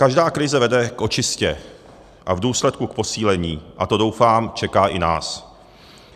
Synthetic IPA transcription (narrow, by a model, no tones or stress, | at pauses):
kaʒdaːkɾɪzɛvɛdɛkʔo̞t͡ʃɪscɛ | ʔavduːslɛt̪̚kukpo̞siːlɛɲiːʔat̪o̞do̞wfaːmt͡ʃɛkaːʔɪna̰ːs